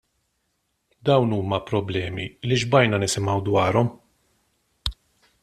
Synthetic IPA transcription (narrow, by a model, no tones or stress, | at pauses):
d̪ɐwnuːmɐpɾɔblɛːmiliʒbɐjnɐnɪsɪmɐwd̪wɐːɾɔm